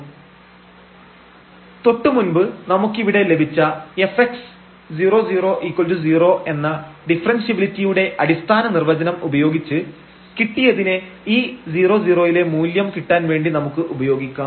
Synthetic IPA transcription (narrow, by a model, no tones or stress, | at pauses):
t̪o̞ʈːɨmunbɨnɐmukːiʋiɽe̞le̞bʱit͡ɕːɐe̞feks | d͡ʑiːro̞ːd͡ʑiːro̞ːʔiːkːold͡ʑud͡ʑiːro̞ːʔe̞nːɐɖifrɐnsjibilitːijuɽe̞ʔɐɽist̪ʰaːnɐnirʋɐd͡ʑɐnɐmubɐjo̞ːɡit͡ɕːɨ | kiʈːijɐðineiːd͡ʑiːro̞ːd͡ʑiːro̞ːjile̞muːljɐmkiʈːaːnʋe̞ːɳɖinɐmukːɨʔubɐjo̞ːɡikʲːaː